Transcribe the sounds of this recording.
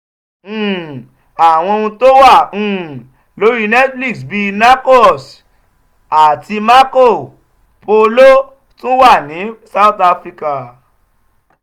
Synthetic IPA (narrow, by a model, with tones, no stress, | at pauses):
a˨w̃ɔ̃˧o˧ũ˧to˦wã˦˨ | lo˨˦ɾi˦nɛ˦tli˦˨sbi˧na˦ko˦s | a˨ti˧ma˦ko˦˨ | po˧lo˦ | to˦wa˦˨nĩ˨˦sa˦˨u˨ta˧fɾi˧ka˨